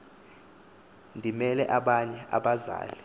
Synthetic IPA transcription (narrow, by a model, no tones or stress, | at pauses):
ndʱimɛlɛʔaɓaɲɛʔa̰ɓaza̰ːlɛ